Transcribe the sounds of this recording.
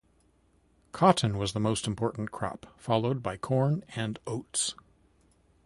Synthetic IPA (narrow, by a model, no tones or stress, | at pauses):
kʰɑʔn̩wʌzðəmoʊstm̩pʰɔɹʔn̩kʰɹ̥ɑ̰pfɑlˠoʊd̚baɪkʰɔɹnɨ̃noʊts